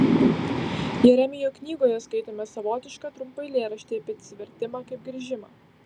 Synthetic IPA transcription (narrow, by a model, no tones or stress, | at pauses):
jɛɾʲɛmʲɪjoːknʲiːɡoːjɛskɐɪt̪oːmʲɛsɐʋoːt̪ʲɪʃkɐt̪ɾʊmpɐɪlʲeːɾɐʃʲt̪ʲɪɐpʲɐt̪sʲʋʲɛɾʲt̪ʲɪmɑːkɐɪp̚ɡɾʲiʒʲɪmɑː